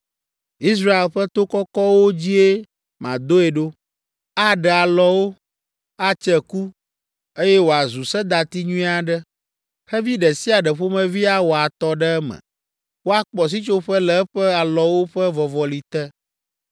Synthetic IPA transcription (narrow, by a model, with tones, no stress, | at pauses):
i˦s̬ɾa˦e˨lɸɛ˦t̪o˦kɔ˦kɔ˦wo˦d͡ʑi˦e˦ | mã̰˨d̪o˦ɛ˨ɖo˦ | a˦ɖɛ˨a˨lɔ˨wo˦ | a˦t͡ʃɛ˦ku˦ | e˦jɛ˦wo˨a˨zu˨sɛ˦d̪a˨t̪i˦ɲũ˦ĩ˦a˨ɖɛ˦ | xɛ˦vi˦ɖɛ˨si˦a˨ɖɛ˨ɸo˦mɛ̃˦vi˦a˦wo˨a˨t̪ɔ˦ɖɛ˦ɛ˦mɛ̰̃˨ | wo˦a˨k͡pɔ˨s̬i˦t͡ʃo˦ɸɛ˦lɛ˦ɸɛ˦a˨lɔ˨wo˦ɸɛ˦vɔ˨vɔ˨li˨t̪ɛ˦